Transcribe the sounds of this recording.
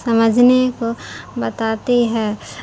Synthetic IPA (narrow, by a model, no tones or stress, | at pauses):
sɐməd͡ʒʱnekobɐt̪aːt̪iɦɛː